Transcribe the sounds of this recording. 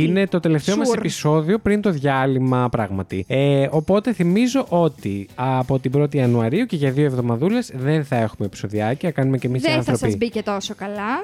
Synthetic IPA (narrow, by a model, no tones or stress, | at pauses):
ine̞t̪o̞t̪e̞left̪e̞omɐssepiso̞ðio̞pɾint̪o̞ðʝɐlimɐpɾɐɣmɐt̪ieo̞po̞t̪e̞θimizo̞ʔo̞t̪iɐpo̞t̪ibɾo̞t̪̬iɐnuɐɾiuce̞ʝɐðioevðo̞mɐðule̞zðe̞nθɐe̞xumepi̥so̞ðiɐciɐkɐnumecemisseɐnθɾopizbicet̪o̞sokɐlɐ